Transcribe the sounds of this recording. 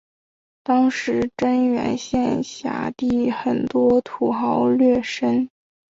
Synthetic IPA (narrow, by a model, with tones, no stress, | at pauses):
t̪ɑ˥ŋʂɻ̩˧˥ʈ͡ʂə˥nɥɛ̰˧˥nɕjɛ˥˧nɕja̰˧˥t̪i˥˩xə˨˩nt̪wɔ˥t̪ʰu˨˩xɑ˧˥ʊlɥɛ˥˩ʂə˥n